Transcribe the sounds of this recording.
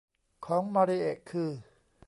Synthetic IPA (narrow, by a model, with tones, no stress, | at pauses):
kʰɔː˩˦ŋmaː˧ɾi˦˧ʔeː˨˩kʰːɯː˧˩